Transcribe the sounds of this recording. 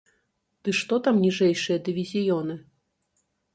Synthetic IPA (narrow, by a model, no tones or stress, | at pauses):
d̪̥ɨʂt̪ɔt̪amnʲiʐɛjʂɨjɐd̪ɨvʲizʲijɔnɨ